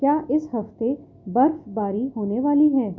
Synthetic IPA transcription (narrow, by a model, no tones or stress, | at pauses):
kjaːʔɪsɦɐft̪e | bɐɾfbaːɾiɦoːneʋaːliɦɛː